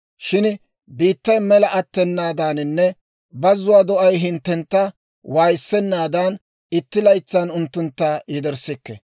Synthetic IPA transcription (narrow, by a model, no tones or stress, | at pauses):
ʃɪn | biːt̪ːɐjmɛlɐʔɐt̪ːɛnːaːd̪aːnɪnːɛ | bɐzʊwaːd̪ɔʔɐjɦɪnt̪ːɛnt̪ːɐ | waːjsːɛnːaːd̪ɐn | ɪt̪ːɪlɐjt͡sːɐːnʊnt̪ːʊnt̪ːɐjɪd̪ɛɾsɪkːɛ